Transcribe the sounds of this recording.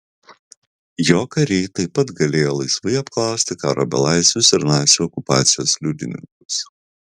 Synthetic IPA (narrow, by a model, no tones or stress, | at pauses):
joːkɐɾʲɛɪt̪ɐɪpɐt̪ɡɐlʲeːjoːlˠɐɪsʋɐɪɐpklˠɐˑʊsʲt̪ʲɪkɑːɾo̰ːbʲɛ̰lˠɑˑɪsʲʋʲʊsɪɾnɑˑɪsʲuɔkʊpɑ̰ːt̪sʲɪjoːslʲuːd̪ʲɪ̰nʲɪ̰ŋkʊ̥s